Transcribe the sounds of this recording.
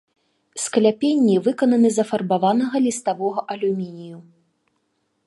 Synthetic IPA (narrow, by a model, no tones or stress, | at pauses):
sklʲapʲenʲːivɨkɐnɐnɨzɐfɐrbavanɐɣɐlʲist̪avɔɣɐʔɐlʲumʲinʲiju